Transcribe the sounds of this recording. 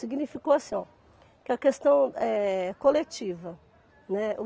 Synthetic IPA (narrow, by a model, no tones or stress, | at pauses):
iɡnifikoasĩ | kɪɐkest̪ɐ̃w̃ɛkolet͡ʃivɐ | nɛʊ